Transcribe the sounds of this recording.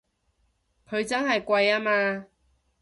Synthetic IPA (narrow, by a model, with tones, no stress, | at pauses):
kʰɵ˨˧t͡sɐ˦˥nhɐ˨˩jkwa˧jaː˦˥maː˧